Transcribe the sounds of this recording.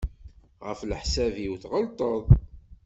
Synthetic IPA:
ʁə̰fləħsæviwθʁəlt̪ˤəðˤ

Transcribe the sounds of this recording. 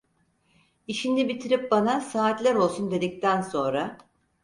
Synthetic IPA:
iʃind̪ɛbit̪ʰiɾip̚banasaːt̪lʲæɾo̞lˠsund̪e̞d̪ic̚t̪ʰænso̞nɾa

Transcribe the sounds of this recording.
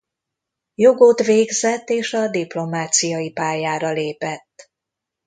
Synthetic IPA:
jo̞ɡot̪ʋeːɡzɛt̪ːeːʃɒd̪iplo̞maːt̪sijɒjipaːjaːɾɒleːpɛt̪ː

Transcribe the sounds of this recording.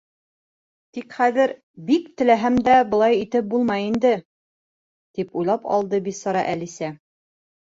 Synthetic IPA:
t̪ikχæðɘɾ | bikt̪ɘ̆læɦæmd̪æbɤ̆lˠɑjit̪ɘp̚bulˠmɑjind̪ɘ | t̪ipujlˠɑpɑ̰lˠd̪ɤbit̪sɤ̆ɾɑ̰ʔælisæ

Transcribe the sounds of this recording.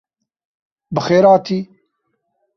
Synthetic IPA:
bɨxeːɾaːt̪ʰiː

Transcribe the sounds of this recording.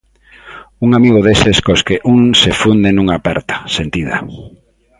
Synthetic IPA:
uŋamiɣ̞oðeseskoskeʔuŋsefund̪enuŋapɛɾt̪ḁsent̪iða̰

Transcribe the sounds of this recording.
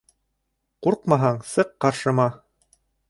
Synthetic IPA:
quɾqmɑɦɑɴsɤqːɑɾʃɤ̆mɑ

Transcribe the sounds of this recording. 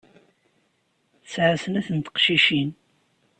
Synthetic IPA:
θəsʕasənæθənt̪ə̥qʃiʃin

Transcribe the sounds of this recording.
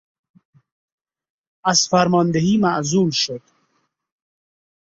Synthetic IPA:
az̥faɾmɔnd̪eɦiːmaʔzuːlʃʊd̪

